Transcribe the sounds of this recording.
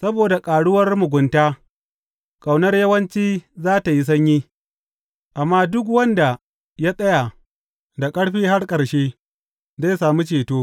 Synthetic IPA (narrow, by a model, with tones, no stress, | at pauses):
sɐ˦boː˨da˨kʼaː˨ɽʊ˦wɐ˦rmʊ˨ɡʷʊ˨ntaː˦ | kʼa˨wnɐ˦rjɐ˦wɐ˦nt͡ʃiː˦zaː˦ta˨ji˦s̬ɐ˦ɲjiː˦ | ʔa˨mːaː˦dʊ˦k̬wɐ˦nda˨ | ja˦sʼɐ˦ja˨ | da˨kʼɐ˦ɽɸiː˦ɦa˦ɽkʼɐ˨ɽʃeː˦ | zaː˦jsaː˨mu˦t͡ʃeː˨toː˦